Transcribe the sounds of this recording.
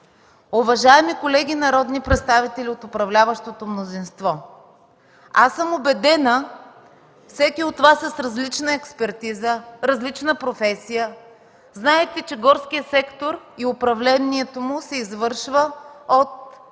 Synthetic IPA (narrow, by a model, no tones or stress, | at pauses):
ʊvɐʒaɛmikolɛɡʲinɐɾɔd̪nipɾɛt̪st̪avit̪ɛlʲiot̪ʊpɾɐvlʲavəʃt̪ot̪omnozinst̪vɔ | asəmobɛd̪ɛnə | fsɛkʲiot̪ːvasəsɾɐzlit͡ʃnəɛkspɛɾt̪izəɾɐzlit͡ʃnəpɾofɛsijə | znaɛt̪ɛt͡ʃɛɡɔɾskijəsɛkt̪oɾiʊpɾɐvlɛniɛt̪omʊsɛizvɤɾʃvəot̪̚